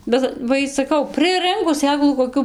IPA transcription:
ˈbʲɛt ʋɐ ˈiː sɐˈkɐʊ prɨˈrɨŋkʊs ˈsʲeːklˠuː koːˈkʲuː

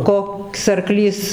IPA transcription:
ˈkoːks ɐrˈklʲiːs

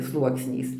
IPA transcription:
ˈslˠuɔksʲnʲɛɪs

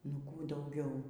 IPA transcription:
nʊ ˈkuː dɐʊˈɡʲɛʊ

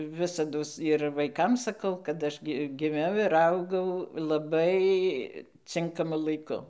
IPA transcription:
ˈʋʲɪsɐdoːs ɪr ʋɐɪˈkɐm sɐˈkɐʊ kɐt ˈɐʃ ɡʲɪ ɡʲɪˈmʲɛʊ ɪr ˈɐʊɡɐʊ lˠɐˈbɐɪ ˈt͡sʲɪŋkɐmʊ lˠɐɪˈkʊ

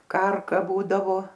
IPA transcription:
ˈkɐrkɐ ˈbuːdɐʋoː

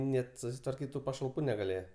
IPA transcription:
ˈnʲɛt sʊsʲɪtʋɐrʲˈkʲiːt tʊ pɐʃɐlˠˈpuː nʲɛɡɐˈlʲeːjɛ

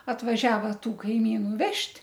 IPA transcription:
ɐtʋɐˈʒʲæːʋɐ ˈtuː kɐɪˈmʲiːnʊ ˈʋʲɛʃʲtʲ

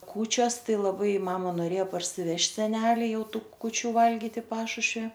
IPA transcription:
ˈkuːt͡ʃʲoːs ˈtɐɪ lˠɐˈbɐɪ ˈmɑːmɐ noːˈrʲeːjɛ pɐrʲsʲɪˈʋʲɛʃʲtʲ sʲɛˈnʲæːlʲɪ ˈjɛʊ ˈtuː kʊˈt͡ʃʲuː ˈʋɐlʲɡʲɪt ɪ ˈpɑːʃʊʃʲʋʲɪ

